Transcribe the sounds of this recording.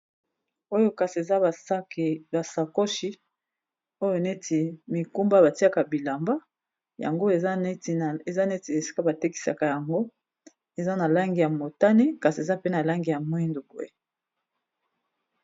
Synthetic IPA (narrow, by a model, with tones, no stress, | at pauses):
o˦jo˦ka˨si˨e˨za˦˨˦ba˨sa˨ko˦ʃi˦ | o˦jo˨ne˦tʰi˨mi˨ku˦mba˦βa˨ti˦a˦ka˨bi˨la˨mba˦ | ja̰˨ŋɡo˦e˨˦te˨za˦ne˦ti˨e˨si̥˦ka˦ba˨te˦ki̥˨sa̰˨ka˨ja˨ŋɡo˦ | e˨za˦na˨la˦ŋɡi˨ja˨mo˨ta˦ni˦ka˨si˨e˨za˦pe˦na˨la˦ŋɡi˨ja˨mwi˦ndu˨bo˨ḛ˨